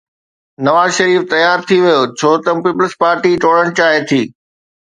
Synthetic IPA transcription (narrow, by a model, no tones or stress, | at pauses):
nɐʋaːzʃɐɾiːft̪ɐjaːɾt̪ʰiʋijoːt͡ɕʰoːt̪əmpiːpəlspaːɾʈiʈoːɽəɽ̃t͡ɕaːɦet̪ʰiː